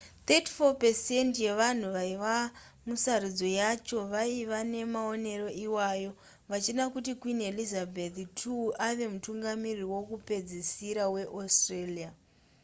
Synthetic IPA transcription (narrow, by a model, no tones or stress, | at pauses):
t̪eti̥fopesentje̞ʋan̤uʋaiʋa | musarud͡zo̞jat͡ʃo̞ʋaiʋane̞mao̞ne̞ɾo̞ʔiwajo̞ | ʋat͡ʃinakutikwine̞lizabʱettʰuʔaʋe̞mutuŋɡamiriwo̞kupe̞d͡zisiɾawe̞ʔostrelia